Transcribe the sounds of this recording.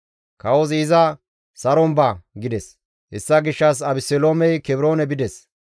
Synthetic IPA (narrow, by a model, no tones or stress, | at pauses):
kɐwɔzɪzɐ | sɐɾɔmbɐɡɪd̪ɛs | hɛsːɐɡɪʃːɐsɐbɪsɛloːmɛjkɛbɾoːnɛbɪd̪ɛs